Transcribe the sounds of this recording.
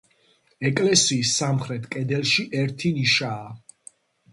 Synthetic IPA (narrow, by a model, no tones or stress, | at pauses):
ɛkʼlɛsiːsːamχɾɛt̪ʰʼkʼɛd̪ɛlˠʃiʔɛɾt̪ʰiniʃaː